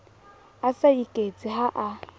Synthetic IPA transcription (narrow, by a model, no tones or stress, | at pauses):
asaikʼet͡sʼiɦaʔa